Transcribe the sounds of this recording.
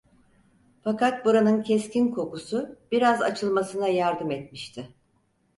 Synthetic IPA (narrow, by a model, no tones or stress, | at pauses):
fakat̪̚buɾanɯncʰɛscinkʰo̞kusʊb̥iɾaza̰t͡ʃʰɯlˠmasɯnajaɾd̪ɯmɛt̪̚miʃt̪ʰɪ